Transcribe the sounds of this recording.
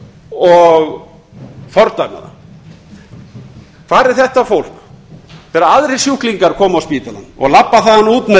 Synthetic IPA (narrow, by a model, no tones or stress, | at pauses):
ɔɣ | fɔɾt̪aɥma̰ða̰ | kʰv̥aːɾɪɾ̥θɛht̪afowl̥k | vɛːɾaaðɾe̥sjuhkliŋkaɾ̥kʰɔːmaawspiːt̪ala̰nːɔ̰ɣlapːaθaðanuːt̪mɛ